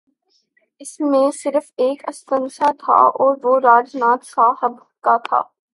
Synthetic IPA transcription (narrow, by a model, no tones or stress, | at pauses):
ɪsmẽsɪɾəfeːkɐst̪ə̃ŋsat̪ʰa̰ɔːɾʋoɾaːd͡ʒnaːt̪saːɦəb | kat̪ʰa̰ː